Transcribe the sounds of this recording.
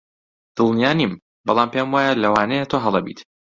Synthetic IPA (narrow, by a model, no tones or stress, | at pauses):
d̪̥ɨlˠnijaːnim | bɑlˠaːmpemwaːjalɐwaːnɛjet̪ʰoɦɐlˠɐbḭt̪